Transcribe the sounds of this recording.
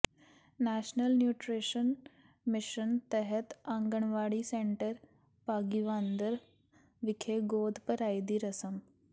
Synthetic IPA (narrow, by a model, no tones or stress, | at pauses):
næɕnəlnjuːʈɾeʃən | mɪʃənt̪ɛɦət̪ãŋɡəɳ̃ʋaːɽisẽɳʈəɾ | paːɡiʋand̪əɾ | ʋikʰeɡoːd̪ʱpəɾajd̪iːɾɐsəm